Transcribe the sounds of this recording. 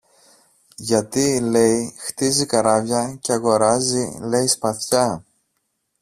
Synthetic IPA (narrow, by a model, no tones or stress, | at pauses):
ʝɐt̪ile̞jxt̪izikɐɾɐvʝɐceɐɣo̞ɾɐzile̞ispɐθçɐ